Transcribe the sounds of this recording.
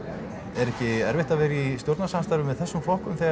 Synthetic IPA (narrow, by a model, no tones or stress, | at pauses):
ɛɾɛhcɪɛɾvɪht̪avɛːɾɪist̪jowɾt̪nasamst̪aɾvʏmɛðθɛsːʏmflowhkʏmθɛ